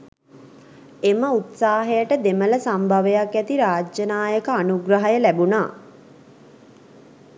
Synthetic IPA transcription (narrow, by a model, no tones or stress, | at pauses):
eməut̪saːɦejəʈəd̪emələsambʱaʋejakæt̪iɾaːd͡ʒjənaːjəkəanuɡrəɦajəlæbunaː